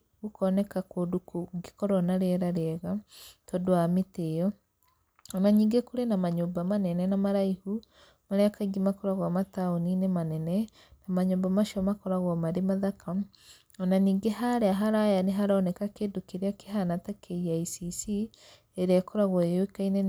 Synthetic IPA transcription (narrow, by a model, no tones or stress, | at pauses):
ɣukɔnɛkakodukuɡekɔɾɔnaɾɛɾaɾeɛɣatɔdoameteɔ | ɔnaɲiːŋɡekuɾenamaɲombamanɛnɛnamaɾaihu | maɾeakaiɡimakɔɾaɣwamataoninemanɛnɛ | namaɲombamaʃiɔmakɔɾaɣwɔmaɾemaðakam | ɔnaniːŋɡeɦaɾeaɦaɾajaneɦaɾaɔnɛkakeːndokeɾeakeɦanatakʰeiaisisi | eɾeakɔɾaɣwɔewekaine